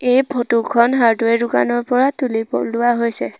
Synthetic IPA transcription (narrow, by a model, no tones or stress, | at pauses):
ejbʰʱotukʰɔnɦaɹtuɛdʊka̰nɔɹpɔɹatulipɔ̰lːʊwaɦojsɛ